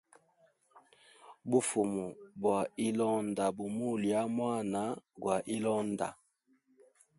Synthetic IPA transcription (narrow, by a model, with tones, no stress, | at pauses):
bu˨fu˨mu˨bwa˨i˦lɔ˦nda˨bu˨mu˦lja˦mwa˦˨na˦ɡwa˨ʔi˦lɔ˦nda̰˨